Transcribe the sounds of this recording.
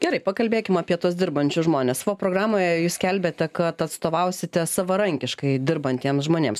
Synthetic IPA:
ɡʲɛɾɐɪpɐkɐlʲbʲeːkʲɪmɑːpʲiɛt̪uɔs̬d̪ʲɪrbɐnʲt͡ʃʲʊsʒmoːnʲɛssɑʋoːpɾoːɡɾɑːmoːjɛjuːskʲɛlʲbʲeːt̪ʲɛkɐt̪ɐt̪st̪oːʋɐʊsʲɪt̪ʲɛsɐʋɐɾɐŋʲkʲɪʃkɐɪd̪ʲɪɾbɐnt̪ʲiɛmsʒmoːnʲḛːms

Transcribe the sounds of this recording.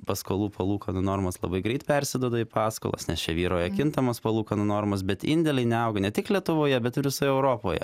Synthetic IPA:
pɐskoːlˠːpɐlˠuːkɐnʊnoːrmɐslˠɐ̰bɐɪɡɾʲɛɪt̪pʲɛɾʲsʲɪd̪oːd̪oipɑːsko̰lˠɐ̰snʲɛst͡ʃʲɛʋʲiːɾoːjɛkʲɪnt̪ɐmospɐlˠuːkɐnʊnoːrmɐs̬bʲɛt̪ɪnʲd̪ʲɛlʲɛɪnʲɛɐʊɡɐnʲɛtʲɪklʲiɛt̪ʊʋoːjɛbʲɛt̪ɪɾʋʲɪsoːjɛɛʊɾoːpo̰ːjɛ̰

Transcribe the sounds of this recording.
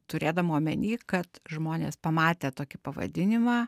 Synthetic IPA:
t̪ʊɾʲeːd̪ɐmːmʲɛnʲiːkɐt̪ʒmoːnʲḛːspɐmɑːt̪ʲeːt̪oːkʲɪpɐʋɐ̰d̪ʲɪnʲɪmɑː

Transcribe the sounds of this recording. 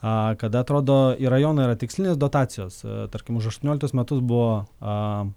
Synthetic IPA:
ɐkɐd̪ɐɐt̪ɾoːd̪oːiɾɐjoːnɐiːɾɐt̪ʲɪksʲlʲɪnʲeːsd̪oːt̪ɑːsʲɪjoːst̪ɐɾʲkʲɪmʊʃ̬ɐʃt̪unʲoːlʲkt̪ʊːsmʲɛt̪ʊs̬bʊʋoː

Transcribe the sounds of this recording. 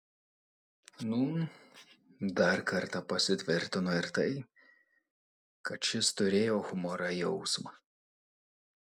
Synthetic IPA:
nʊ | d̪ɐɾkɐɾt̪ɐpɐsʲɪt̪ʲʋʲɪɾʲt̪ʲɪnoɪɾt̪ɐɪ | kɐt̪t͡ʃʲɪst̪ʊɾʲeːjoːxʊmɔɾɐjɛʊsmɐ

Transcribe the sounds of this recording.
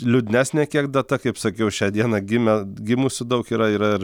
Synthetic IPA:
lʲʊd̪ʲnʲæːsʲnʲɛːkʲiɛk̚d̪ɐt̪ɐkɐɪpsɐkʲɛʊʃʲæːd̪ʲiɛnɐɡʲɪmʲɛɡʲɪmuːsʲʊd̪ɐʊkiːɾɐiːɾɐɪr

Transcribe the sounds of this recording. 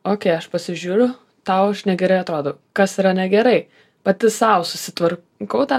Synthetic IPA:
oːkʲɛɪɐʃpɐsʲɪʒʲuːɾʲʊ | t̪ɑʊɐʃnʲɛɡʲɛɾɐɪɐt̪ɾoːd̪oː | kɐsiɾɐnʲɛɡʲɛɾɐɪ | pɐt̪ʲɪsɐʊsʊsʲɪt̪ʋɐr | kɐʊt̪ɐ

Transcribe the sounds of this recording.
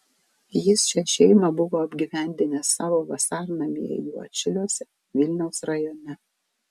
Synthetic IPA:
jɪsʃʲɛʃʲɛɪmɐbʊʋoːɐbʲɡʲiʋʲæˑnʲd̪ʲɪnʲɛsɑːʋoːʋɐsɑːɾnɐmʲḭjɛjuɔ̰t͡ʃʲɪlʲoːsʲɛ | ʋʲɪlʲnʲɛʊsɾɐjɔnʲɛ

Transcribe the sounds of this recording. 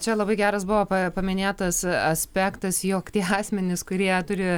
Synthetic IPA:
t͡ʃʲɛlˠɐbɐɪɡʲæːɾɐsbʊʋoːpɐpɐmʲɪnʲeːt̪ɐsɐsʲpʲæːkt̪ɐsjoːkt̪ʲiɛɑːsʲmʲɛnʲɪskʊɾʲiɛt̪ʊɾʲɪ

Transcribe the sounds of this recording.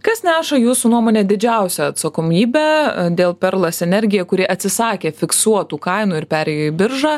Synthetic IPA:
kɐsnʲæːʃɐjuːsunuɔmoːnʲeːd̪ʲɪd͡ʒʲɛˑʊsʲɛɐt̪sɐkoːmʲiːbʲæːd̪ʲeːlˠpʲɛɾlˠɐsɛnʲɛɾʲɡʲɪjɛkʊɾʲiɛʔɐt̪ʲsʲɪsɑːkʲeːfʲɪksuɔt̪uːkɐɪnuːɪɾpʲæːɾʲɛjoːɪbʲɪɾʒɑː

